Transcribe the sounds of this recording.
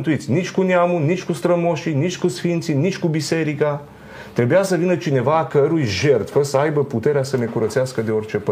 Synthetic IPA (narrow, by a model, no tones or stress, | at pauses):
nt̪uit̪sʲinit͡ʃkʊnjamunit͡ʃkʊst̪ɾɐmɔʃinit͡ʃkʊsfint̪sinit͡ʃkʊbisɛɾika | t̪ɾɛbʲjasɐvinət͡ʃinɛvakəɾuiʒɛɾt̪vəsajbəput̪ɛɾʲasɐnɛkuɾɐt̪sʲjaskəd̪ɛɔɾt͡ʃɛpə